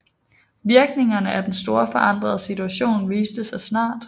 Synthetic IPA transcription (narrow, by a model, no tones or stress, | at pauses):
ʋiɐɡ̥ne̝ŋɐnəʔæd̥ensd̥o̝ːɐfɒ̽ʔɑ̈n̰d̥ʁɐð̞̩ˠəsit͡sʰuæɕo̝̰ːnʋiːsd̥əsɑ̈ɪsnɑ̰̈ːd̥